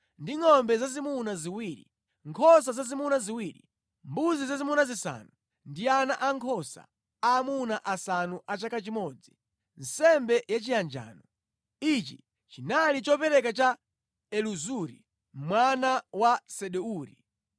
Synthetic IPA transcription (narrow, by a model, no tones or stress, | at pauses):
ndiŋɔmbɛzazimunaziwiɾḭ | ŋkʰɔs̬azazimunaziwiːɾḭ | mbuzizazimunazisa̰ːnu | ndianaʔaŋkʰɔsa̰ | aːmunaʔasanuʔat͡ʃakat͡ʃimɔd͡zi | n̩sɛmbɛjat͡ʃijand͡ʒa̰ːnɔ | it͡ʃi | t͡ʃinalit͡ʃɔpɛɾɛkat͡ʃa | ɛluzuɾḭ | m̩mwanawasɛɗɛuːɾḭ